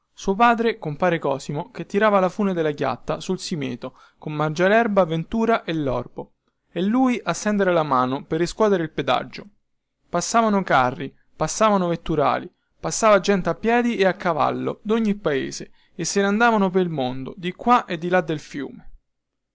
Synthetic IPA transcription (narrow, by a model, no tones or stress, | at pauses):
suːop̬aːd̪ɾekompaːɾekɔːsimoket̪ːiɾaːvalafuːned̪elaɡja̰t̪ːasulsimḛːt̪o | komːard͡ʒalɛrbavent̪uːɾaʔelːɔ̰rbo | elːuːjʔasːɛnd̪eɾelamaːnoperːiskwɔːd̪eɾeilped̪a̰d͡ʒːo | pasːaːvanokarːi | pasːaːvanovet̪ːuɾa̰ːli | pasːaːvad͡ʒːɛnt̪eapːjɛːd̪iʔeakːava̰lːo̰d̪oɲːipːaḛːze | esːeneand̪aːvanopeɾilmond̪o̰d̪ikːwaʔed̪ːilad̪ːelfjṵːme